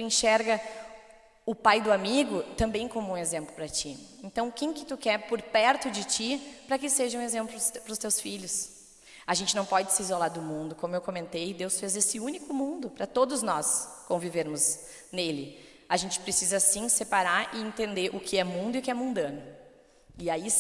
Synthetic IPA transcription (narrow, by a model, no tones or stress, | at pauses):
t̪uẽʃɛɾɡɐ | ʊpajd̪ʊamiɡʊt̪ɐ̃mbẽj̃kõmʊũezẽmplʊpɾɐt͡ʃiẽnt̪ɐ̃w̃kẽj̃kɪ̥t̪ukɛɾpoɾpɛɾt̪ʊd͡ʒɪt͡ʃipɾɐkɪseʒɐũezẽmplʊlʊpɾʊst̪ewsfiʎʊs | ɐʒẽnt͡ʃɪnɐ̃w̃pɔd͡ʒɪsɪizolaɾd̪ʊmũnd̪ʊkõmʊewkomẽnt̪ejd̪ewsfezesɪũnikʊmũnd̪ʊpɾɐt̪od̪ʊznɔskõviveɾmʊz | nelɪ | aʒẽnt͡ʃɪ̥pɾesizɐsĩsepaɾaɾʔɪẽnt̪ẽnd̪eɾʔʊkʰɪɛmũnd̪ʊiʊkɪɛmũnd̪ɐ̃nʊ | ɪai